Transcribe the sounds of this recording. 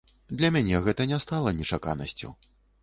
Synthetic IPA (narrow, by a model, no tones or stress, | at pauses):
d̪lʲɐmʲanʲɛɣɛt̪ɐnʲɛst̪alˠɐnʲɛt͡ʂaka̰nɐ̰sʲt͡sʲṵ